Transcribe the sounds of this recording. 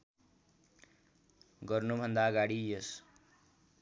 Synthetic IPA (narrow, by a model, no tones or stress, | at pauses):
ɡʌrnubʱʌnd̪aɡaɽijʌs